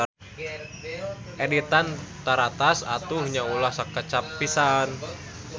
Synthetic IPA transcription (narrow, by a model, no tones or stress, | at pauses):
ʔedit̪ant̪aɾat̪asat̪uhɲaulahsakːət͡ʃapːisan